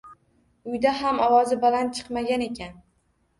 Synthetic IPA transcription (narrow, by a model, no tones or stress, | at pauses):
ʊjd̪aɦamɒwɒzɪbalant̪̚t͡ʃʰɨ̥qmaɡʲane̞kʲʰan